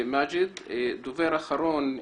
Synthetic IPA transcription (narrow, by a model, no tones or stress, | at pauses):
mad͡ʒɪd̪d̪ʊveːɾʔaxɑɾuːn